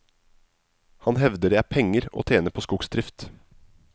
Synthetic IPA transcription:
hɑnhɛʋd̪əɾæpʰɛŋəɾo̰ːt̪ʰeːnəpʰoːskʊɡsd̪ɾɪft̪

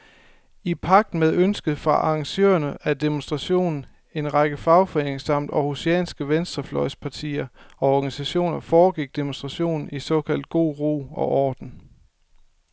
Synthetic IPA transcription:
ipʰɑ̈ɡ̥̚d̥n̩með̞ˠønsɡ̥əð̩ˠfʁɑ̈ʔɑ̈ŋɕø̰ːɐnəæd̥emonsd̥ʁɑɕo̝̰ːnn̩ | e̝nʁɑɡ̥əfɑ̈ʊfɒ̽eneŋsɑ̈m̰d̥ɒhusiɛ̰ːnsɡ̥əʋensd̥ʁɐflɒ̽ɪspʰɑ̈t͡sʰḭːɐɒ̽ɒɡ̥ænisæɕo̝̰ːnɐfɒːɡ̥iɡ̥̚d̥e̝monsd̥ʁɑ̈ɕo̝̰ːnn̩isɒ̽ːkʰæl̰d̥̚ɡ̥o̝̰ːʁo̝̰ːɒ̽ʔɒːd̥n̩

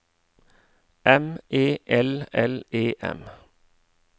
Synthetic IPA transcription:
ʔɛmeːʔɛlɛleːʔɛ̰m

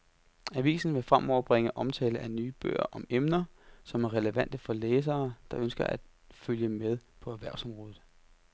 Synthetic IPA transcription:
æʋḭːsn̩ʋe̝fʁam̰ʔɒʊ̰ɐb̥ʁeŋəʔɒ̽mt͡sʰɛ̰ːləʔænyːb̥ø̰ːɐ̰ʔɒ̽memnɐsɒ̽mæɐʁɛləʋæn̰d̥əfɒ̽leːs̬ɐːd̥ɑ̈ʔønsɡ̥ɐʔæd̥ | føljəmeð̞ˠpʰɒ̽æʋæɐ̰ʊsɒ̽mʁɔ̽ːð̩ˠ

